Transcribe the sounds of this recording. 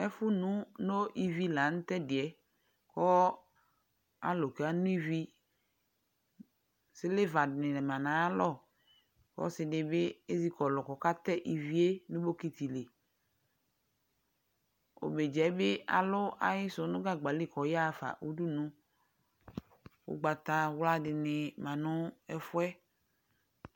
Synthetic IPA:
ɛ˦fʊ˦nũ˦no˦ʔi˦vi˦la˨ñ̩˦t̪ɛ˦dɪ˨ɛ˨ | kɔ˦ | a̰˦lo˨ke˨˦a˦nũ˦i˦vi˦ | sɪ˦le˦va˨dnɪ̃˨nɛ˨mã˨nã˨˦a˦lɔ˦˨ | kɔ̰˦sɪ˨nɪ˨bɪ˦e˦zi˦kɔ˨lɔ˨kɔ˨ka˦t̪ɛ˦ʔi˨vi˦e˦nũ˦bo˦ki˦t̪i˨le˨ | o̰˨me˨d͡ʒɛ˨˦be˦a̰˨loʊ˦a̰˦ji˦so˨˦nʊ̃˦ɡa˦ɡ͡ba˨li˦˨kɔ˨ja˦˨fa̰˨ʔu˦ɖu˦nũ˦ | wo̰˦ɡ͡ba˨t̪a˦wla˦ɖɪ˨nẽ˨mã˨nʊ̃˦ɛ˦fʊ˦ɛ˦

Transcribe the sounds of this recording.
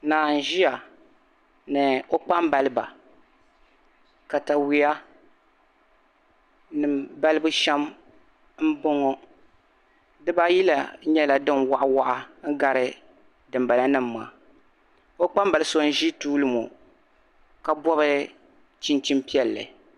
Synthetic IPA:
naː˨n̩˨ʒi˦ja˨ | nɨ˨o˦k͡pa˦mba˨lɨ˦ba˨ | ka˨ta˨wi˨ja˦ | nɨ˨mba˦lɨ˦bu˦ʃɛ˦m | m̩˦bo˦ŋɔ˦ | dɨ˦ba˦ji˦la˨˦ɲɛ˦la˨dɨ˦nwa˨ʔa˦wa˦ʔa˦ŋ̩˦ɡa˦ɾɨ˦ | dɨ˨mba˨la˦nɨ˦mːa̰˨ | o˦k͡pa˦m˦ba˨lɨ˦so˦n̩˦ʒi˦tuː˦lɨ˦mo̰˨ | ka˨bɔ˦βɨ˦ | t͡ʃi˦nt͡ʃi˦mpi˦ɛ˦lːɨ̰˨

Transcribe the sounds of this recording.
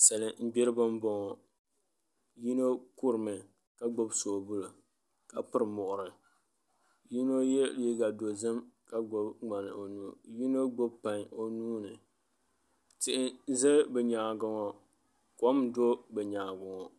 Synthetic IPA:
sa˨lɨ˦m̩˦bi˦ɾɨ˦bɨ˦m˦bɔ˦ŋɔ˨ | ji˦no˦ku˦ɾɨ˨mɨ˨ | ka˦ɡ͡bo˦bso˨bu˦lo˨ | ka˨pɨ˨ɾɨ˨mɔ˨ʔʊ˨ɾɨ˨ | ji˦no˦jɛ˦li˦ɡa˨do˨zɨ˦mka˦ɡ͡bo˨bŋ͡ma˨nɨ̰˨o˨nuː˦ji˦no˦ɡ͡bo˦bpa˨ɲo˦nuː˦nɨ˨ | tɪ˦˨ʔɪ˦zɨ˦bɛ˨ɲaː˨ɡʊ˦ŋɔ˨ | kɔ˦mdo˦bɛ˨ɲaː˨ɡʊ˨ŋɔ˨

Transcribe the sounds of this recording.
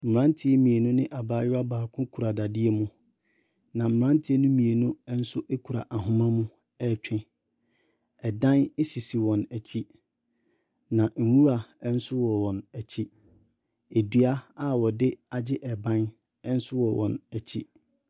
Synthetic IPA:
m̩˨ɾã˦n˦tʰɪ˦e˦mĩ˨e˨nʊ̃˦nɪ̃˦ʔa˨baː˦jʊ˦a˦baː˨kʰʊ̃˦kʰu˨ɾa˨da˨dɪ˦ɛ˦mʊ̃˦ | nã˨m̩˨ɾã˦n˦tʰɪ˦ɛ˦nʊ̃˦mĩ˨e˨nʊ̃˦n̩˦sʊ˦ʔe˦kʰu˨ɾa̰˨ʔa˨ɦʊ̃˦mã˦mũ˦ | ɛ˦˨t͡ɕᶣʰɪ̃˦ | ɛ˨dã˦nɛ˦si˨si˨wɔ̃˨næ˨t͡ɕʰi˦ | nã˨ŋ̩˨wu˦ɾa˨˦n̩˦sʊ˦wɔ˨wɔ̃˨næ˨t͡ɕʰi˦ | e˨di˦a˦a˦wɔ˨dɪ˦a˨d͡ʑɪ˦ʔɛ˨bã˦n | ɛ˦n̩˦sʊ˦wɔ˨wʔɔ̰̃˨næ˨t͡ɕʰi˦

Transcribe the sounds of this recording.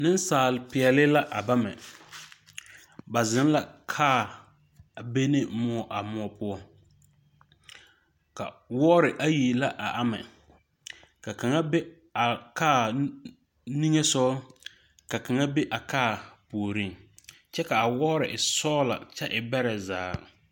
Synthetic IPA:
nɪ˦n˦saː˨lɪ˨pɪ˨ɛ˨lɪ˦la˦ʔa˨ba˦mɛ̰˨ | ba˨zɪ˦n˦la˨kʰaː˦˨ | be˦nɪ˦mʊ˦ɔ˨ʔa˨mʊ˦ɔ˨pʊ˦ɔ˦ | ka̰˨wɔː˦ɾɪ˨ʔa˦ji˨la˦ʔa˨ʔa˦mɛ̰˨ | ka˨ka˨ŋa˦be˦ | a˨kaː˦˨ | ni˦ŋe˦sɔ˦ | ka˨ka˨ŋa˦be˦ʔa˨kaː˦˨poː˨ɾĩ˦ŋ | t͡ʃɛ˦ka˨a˨wɔː˦ɾɪ˨ʔɪ˨sɔː˦la̰˨t͡ʃɛ˦ʔɪ˨bɛ˦ɾɛ˨zaː˨

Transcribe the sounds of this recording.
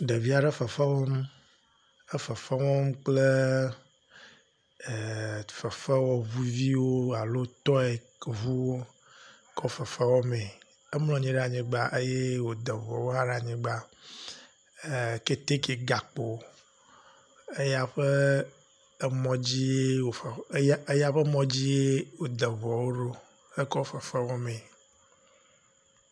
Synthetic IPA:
ɖe˨vi˦a˨ɖɛ˦fɛ˨fa˦wɔ˦m | e˦fɛ˨fa˦wɔ˦mk͡ple˦˨ | fɛ˨fɛ˦wɔ˦vu˦vi˦wo˦a˨lo˦t̪ɔ˦e˨ | vu˦wo˦ | kɔ˦fɛ˨fɛ˦wɔ˦mẽ˨ | e˦mlɔ̃˨ɲĩ˦ɖa˨ɲĩ˨ɡ͡ba˦ʔe˦je˦wo˨d̪ɛ˨vɔ̰˨wo˦a˦ɖa˨ɲĩ˨ɡ͡ba˦˨ | ke˦t̪e˦ke˨ɡa˨k͡po˨ | e˦ja˦ɸe˦ | mɔ̃˨d͡ʑi˦je˦wo˨˦e˦ja˦ɸe˦mɔ̃˦d͡ʑi˦je˦wo˨d̪ɛ˨vɔ˨wo˦ɖo˦ | e˦kɔ˦fɛ˨fɛ˦wɔ˦mẽ˨

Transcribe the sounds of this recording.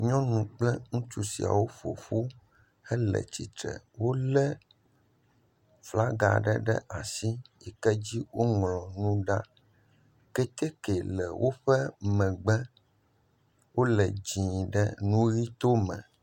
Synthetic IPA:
ɲɔ̃˦nũ˨k͡plɛ˦ŋũ˦t͡ʃu˦sḭ˨a̰˨wo˦ɸo̰˨ɸu˦ | ɛ˦lɛ̰˨t͡ɕi˨t̪ɾɛ̰˨wo˦lɛ˦ | fla˦ɡa̰˨ɖɛ˦ɖɛ̰˦ʔa˨si˦jɛ˨kɛ˦d͡ʑi˦wo˦ŋlɔ̃˨nũ˦ɖa˦ | kɛ˦t̪e˦kɛ˨lɛ˨wʔo˦ɸɛ˦mɛ̃˨ɡ͡bɛ˦ | wo˦lɛ˨d͡ʑĩ˨ɖɛ̰˦nũ˦ɣi˦t̪o˦mɛ̰̃˨

